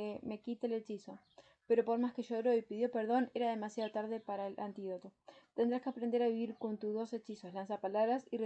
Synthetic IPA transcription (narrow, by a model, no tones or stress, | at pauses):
eme̞kit̪elet͡ʃiso | pe̞ɾo̞po̞ɾmaskeʃoɾo̞ipiðjo̞pe̞ɾð̞o̞ne̞ɾaðe̞masjaðot̪aɾð̞epaɾaelʔant̪iðo̞t̪o̞t̪end̪ɾaskeapɾend̪eɾaβiβiɾko̞nt̪uzðo̞set͡ʃisoslans̬apalaβɾasire